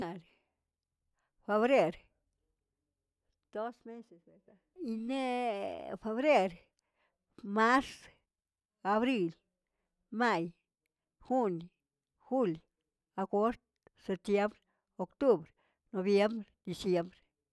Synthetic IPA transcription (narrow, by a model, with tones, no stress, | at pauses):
a˨ɾ | fe˧βɾe˦ɾ | d̪̥o˦sme˦se˨sea˧ | i˧ne˦ | fe˧βɾe˦ɾ | ma˦s | a˧βɾi˧l | ma˦˧j | xu˦n | xu˦l | a˧ko˦ɾt̪ | se˧p̚t̪je˦mbɾe | o˧kt̪u˦bɾ | no˧bje˦mbɾed̪̥i˧sje˦mbɾe̥˨